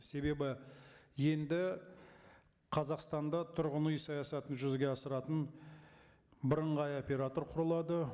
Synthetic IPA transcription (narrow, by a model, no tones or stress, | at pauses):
se̞be̞bɪje̞nd̪ɪ | qʰɑzɑqst̪ɑnd̪ɑt̪ʰʊɾʁənujsɑjɑsɑt̪ənʒʏzɡʲe̞ɑsəɾɑt̪ən | bəɾəɴʁɑjo̞pʲe̞ɾat̪o̞ɾqʰʊɾəlˠɑd̪ə